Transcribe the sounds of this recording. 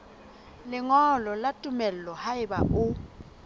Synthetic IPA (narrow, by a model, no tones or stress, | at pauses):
lɪŋɔlɔlatʼumɛllɔhaɪba̰ʔʊ